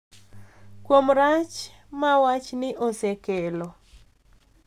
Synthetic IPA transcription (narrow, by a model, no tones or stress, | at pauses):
kwomɾat͡ʃ | mawat͡ʃnɪʔosekelo